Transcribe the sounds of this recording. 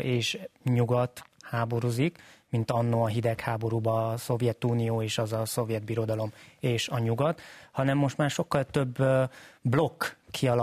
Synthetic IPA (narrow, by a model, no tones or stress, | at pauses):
ʔeːʃɲuɡɒt̪haːbo̞ɾuzikmint̪ɒnːoɒɦid̪ɛkhaːbo̞ɾuːbɒso̞vjɛt̪uːnijoːeːʃɒzɒso̞vjɛd̪̚biɾo̞d̪ɒlo̞meːʃɒɲuɡɒt̪hɒnɛmːo̞ʃt̪maːrʃo̞kːɒlt̪ø̞b | blo̞kːʰiɒl